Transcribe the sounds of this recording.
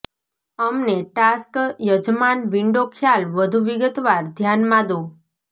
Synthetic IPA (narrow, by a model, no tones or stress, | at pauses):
əmneʈaskjəd͡ʒmanʋiɳɖokʰjalʋəd̪ʱuʋiɡət̪ʋaɾd̪ʱjanmãd̪õ